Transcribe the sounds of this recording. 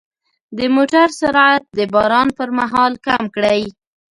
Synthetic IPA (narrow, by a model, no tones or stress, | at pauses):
d̪əmoʈaɾsaɾat̪̚d̪əbɑɾɑnpəɾmaɦɑlkamkɽaj